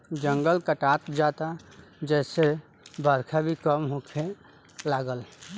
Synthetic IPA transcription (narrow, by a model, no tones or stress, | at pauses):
d͡ʒə̃ŋɡəlkəʈat̪d͡ʒat̪ad͡ʒɛːse | bəɾkʰabʱikəmɦokʰe | laːɡəl